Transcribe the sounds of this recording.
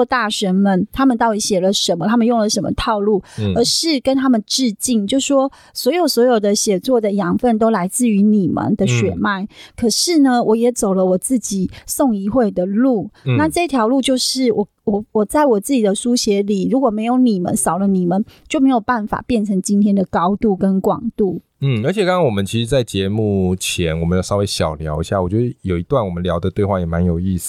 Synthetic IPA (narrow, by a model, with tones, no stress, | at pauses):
t̪a˥˩ʂə˧˥nmə˨˦nt̪ʰa˥mə˨nt̪ɑ˥˩ʊi˨˩ɕjɛ˨˩lə˩˦ʂə˧˦˥nmə˧˨t̪ʰa˥mə˨njo˥˩ŋlə˨˩ʂə˧˦˥mə̰˧t̪ʰɑ˥˧ʊlu˥˩ə˧˥ʂɻ̩˥˩kə˦˥nt̪ʰa˥mə˨nʈ͡ʂɻ̩˥˧t͡ɕi˥˩ŋt͡ɕjo˥˩ʊʂwɔ˥ | swɔ˧˥jo˨˩ʊswɔ˧˥jo˨˩ʊd̪ə˨ɕjɛ˨˩t͡swɔ˥˩d̪ə˩jɑ˧˥ŋfə˥˩nt̪o˥ʊla˧˥ɪt͡sɹ̩˥˩y˧˥ni˨˩mə̰˨˦nd̪ə˨ɕɥɛ̰˨˩ma˥˩ɪkʰɤ˨˩ʂɻ̩˥˩nə˨wʔɔ˧˦jɛ˨˩t͡so˨˩ʊlə˦wɔ˨˩t͡sɹ̩˥˩t͡ɕi˨˩sɔ˥˧ŋi˧˥xwe˥˩ɪd̪ə˩lu˥˩na˥˧ʈ͡ʂɤ˥˧i˥t̪ʰjɑ˧˥ʊlu˥˧t͡ɕjo˥˧ʊʂɻ̩˥˩wɔ˨ | wɔ˨˩wɔ˨˩t͡sa˥˩ɪwɔ˨˩t͡sɹ̩˥˩t͡ɕi˨˩d̪ə˦ʂu˦ɕjɛ˧˥li˨˩ɻu˧˥kwɔ˨˩me˧˥ɪjo˧˥ʊni˨˩mə̰˦nsɑ˨˩ʊlə˦ni˨˩mə˦nt͡ɕjo˥˩ʊme˧˥ɪjo˨˩ʊpa˥˩nfa̰˨˩pjɛ˥˩nʈ͡ʂʰɤ˧˥ŋt͡ɕi˥nt̪ʰjɛ˥nd̪ə˨kɑ˥ʊt̪u˥˩kə˦˥nkwɑ̰˨˩ŋt̪u˥˩ | n̩˥˩ə˞˧˦t͡ɕʰjɛ˨˩kɑ˥ŋɑ˥ŋwɔ˨˩mə˦nt͡ɕʰi˧˥ʂɻ̩˧t͡sa˥˩ɪt͡ɕjɛ˧˦mu˥˩t͡ɕʰjɛ˧˦nwɔ˨˩mə˦jsɑ˥ʊwe˧˥ɪɕjɑ˨˩ʊljɑ˧˥ʊḭ˧ɕja˥˩wɔ˨˩t͡ɕjɥɛ˧˥d̪ə˧jo˨˩ʊi˧˦t̪wa˥˩nwɔ˨˩mə˦nljɑ˧˦ʊd̪ə˨t̪we˥˧ɪxwa˥˩jɛ˨˩ma˧˦njo˨˩ʊi˥˧s̩˨˩